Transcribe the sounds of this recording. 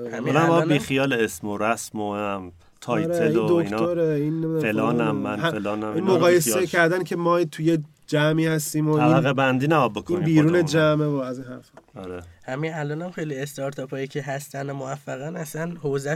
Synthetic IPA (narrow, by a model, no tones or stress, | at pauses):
hæmlæɒbiːxijɒːleesmoɾæsmom | t̪ʰɒjɾeeiod̪okintoɾeinːemid̪æfelɒːnæmːænæelɒːnæminmoɣɒːjesecʰæɾd̪æncʰemɒːt̪ʰuje | d͡ʒæmiːhæst̪iːmoæliæɣebænd̪iːnæɡɒbokʰoiːnbiːɾuːned͡ʒæmevoæziːnhæɾfɒaɾehæmiælɒːnæmxejliest̪ɒɾt̪ʰɒpʰɒːjicʰeɦæst̪ænomoæfːæɣænæsænhozæ